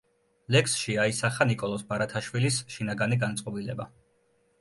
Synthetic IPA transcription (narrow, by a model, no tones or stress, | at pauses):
lɛksʃiaisaχanikʼɔlˠɔsbaɾat̪ʰaʃwilisʃinaɡaniɡant̪sʼqʼɔbilɛba